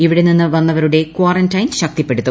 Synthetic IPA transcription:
iʋiɽeninːɨʋɐnːɐʋɐɾuɽe̞kwaːɾɐntɐjnɕɐk̚t̪ipːe̞ɽut̪ːum

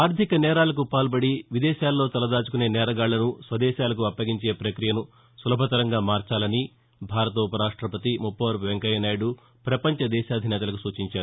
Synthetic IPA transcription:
aːɾd̪ʱikɐnɛːɾaːlɐk̬upaːlpɐɽiʋid̪ɛːʃaːlːo̞ːt̪ɐlɐd̪aːt͡ʃukune̞ːnɛːɾɐɡaːɭːɐnusʋɐd̪ɛːʃaːlɐkuɐpːɐɡiɲt͡ʃe̞ːpɾɐkɾijɐnu | sulɐbʱɐt̪ɐɾɐŋɡaːmaːɾt͡ʃaːlɐni | bʱaːɾɐt̪upɐɾaːʂʈɾɐpɐt̪imupːɐʋɐɾʋeŋkɐjɐnaːjɽu | pɾɐpɐɲt͡ʃɐd̪ɛːʃaːd̪ʱinɛːt̪ɐlɐk̬usuːt͡ʃiɲt͡ʃaːɾuu

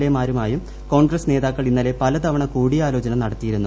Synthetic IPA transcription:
emaːɾumaːjum | ko̞ːɳɡrɐsne̞ːðaːkːɐɭinːɐle̞pɐlɐd̪ɐʋɐɳɐkuːɽiaːlo̞ːt͡ɕɐnɐmnɐɽɐt̪ːijiɾunːu

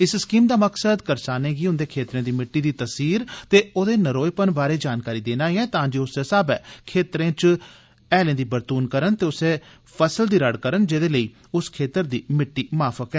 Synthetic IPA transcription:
ɪsskiːmd̪aːməksəd̪kəɾsaːnẽːɡiːʊnd̪eːkʰeːt̪ɾẽːd̪iːmɪʈːiːd̪iːt̪əsiːɾt̪eːoːd̪eːnəɾoːjpənbaːɾeːd͡ʒaːnkaːɾiːd̪eːnaːiːɛ̃ːt̪ãːd͡ʒeːʊseːsaːbɛːkʰeːt̪ɾẽːt͡ʃ | ɛːlẽːd̪iːbəɾt̪uːnkəɾənt̪eːʊseː | pʰəsəld̪iːɾəɽkəɾənd͡ʒeːd̪eːləiː | ʊskʰeːt̪əɾd̪iːmɪʈːiːmaːfʰəkɛ̃ː

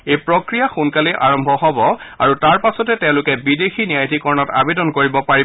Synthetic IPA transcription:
ejpɹɔkɹijaxunkaliʔa̰ɹɔmbʱɔɦɔbɔa̰ɹutaɹpasɔtɛtɛ̃ʊ̃lʊkɛbidexinijajtikɔɹnɔta̰bedɔnkoɹibɔpaɹi

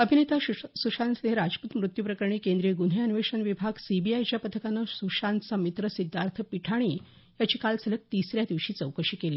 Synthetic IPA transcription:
əbʱinet̪asuʂansd̪ʱeɾad͡zput̪mɾut̪jupɾəkəɾɳ̃iːkẽnd̪ɾijeɡun̤ɦejanʋeʂənʋibʱaɡsibiajt͡ɕjapət̪ʰəkanːəsuʂant͡samit̪ɾəsid̪ʱːaɾt̪ʰpiʈʰaɽ̃iː | jat͡ɕiːkalsələk̚t̪isɾjad̪iʋɕiːt͡səwkəɕiːkeleː

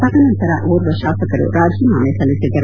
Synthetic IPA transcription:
sɐt̪ɐnɐnt̪ɐɾɐʔoːɾʋɐʃaːsɐkɐɾṵɾʔaːd͡ʒʱiːmaːmesɐlisiɡɐɾ

